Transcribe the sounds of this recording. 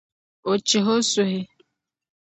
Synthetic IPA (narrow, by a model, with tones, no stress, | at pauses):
o˨t͡ʃɪ˨ɦo˦su˨ɦe˦